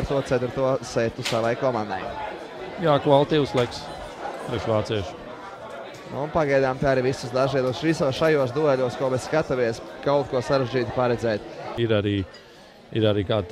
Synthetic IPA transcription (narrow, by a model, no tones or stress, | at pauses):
ɾt̪uɔt̪sɛt̪ɾut̪uɔsɛt̪usaʋajkɔmãnd̪a̰j | jaːkvalˠt̪iːwuslˠɛks | pɾɛʃʋaːt̪siɛʃ | nṵnpaɡajd̪aːmt̪aaɾiʋisusd̪aʒiɛd̪usʋisuɔsʃajuɔsd̪uɛlʲuɔskuɔmesskat̪amiɛskaʊt̪̚kuɔsaɾeʒd͡ʒiːt̪i̥paɾɛd̪zɛːt̪iɾaɾiː | iɾaɾiːkaːd̪̚